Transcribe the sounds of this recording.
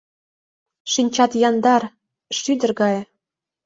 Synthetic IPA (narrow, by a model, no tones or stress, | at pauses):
ʃinʲt͡ɕɑt̪jɑnd̪ɑr | ʃyd̪ərɡɑj